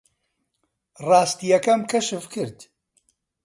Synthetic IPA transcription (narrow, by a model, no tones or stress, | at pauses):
rɑːst̪ijɐkɐmkʰɐʃɨfkɨɾd̪